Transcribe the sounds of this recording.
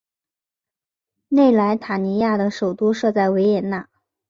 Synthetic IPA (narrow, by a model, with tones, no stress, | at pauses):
ne˥˩ɪla˧˥ɪt̪ʰa˨˩ni˧˥ja˥˩d̪ə˩ʂo˨˩ʊt̪u˥ʂɤ˥˧t͡sa˥˩ɪwe˧˥ɪjɛ˨˩nna˥˩